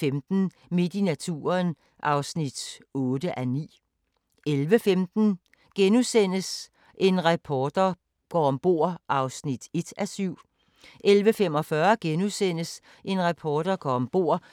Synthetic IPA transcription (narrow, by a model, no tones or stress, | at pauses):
emd̥n̩ | me̝d̥inæt͡sʰṵːɐn | ʔɑ̈ʊsnid̥ɔ̽ːd̥əʔænḭː | elʋəfemd̥n̩ | ɡ̥enusen̰əs | ʔe̝nʁɑpʰɒːd̥ɐ | ɡ̥ɒ̰ɒmb̥o̝ːɐ̰ʔɑ̈ʊsnid̥e̝d̥æsyʊ̰ | ʔelʋəfemɒ̽fɶɐɡ̥enusen̰əs | ʔe̝nʁɑpʰɒːd̥ɐɡ̥ɒ̰ːɒ̽mb̥o̝ɐ̰